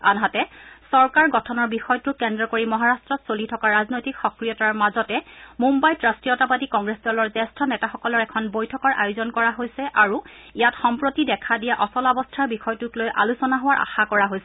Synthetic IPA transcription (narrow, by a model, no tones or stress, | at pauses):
a̰nɦatɛsɔɹkaɹɡɔtʰɔnɔɹbixɔjɔtʊkɛndɹɔkoɹimɔɦaɹastɹɔtsolitʰɔkaɹaznojtikxɔkɹijɔtaɹmazɔtɛmumbajtɹastijɔtapatikɔŋɡɹesdɔlɔɹzɛstʰɔnɛtaxɔkɔlɔɹɛkʰɔnbojtʰɔkɔɹʔa̰jʊzɔnkɔɹaɦojsɛʔaɹuijatxɔmpɹotidɛkʰadijaʔɔsɔlɔbɔstʰaɹbixɔjtuklojʔa̰lusɔnaɦowaɹʔa̰xakɔɹaɦojsɛ